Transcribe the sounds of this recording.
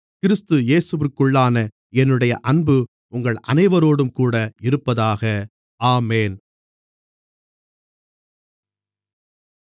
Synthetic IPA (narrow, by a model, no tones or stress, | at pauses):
kɪɾɯst̪ɯjeːsɯʋɪɾkɯɭːaːnɐ | ɛnːɯɽɐjɐʔɐnbɯ | ʊŋɡɐɭɐnɐɪʋɐɾoːɽɯmkuːɽɐɪɾɯpːɐðaːɣɐ | aːmeːn